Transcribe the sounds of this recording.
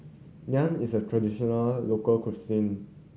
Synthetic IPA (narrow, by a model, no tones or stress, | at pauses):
lãnisətʰɹadiʃɔnəlːokəlkusĩn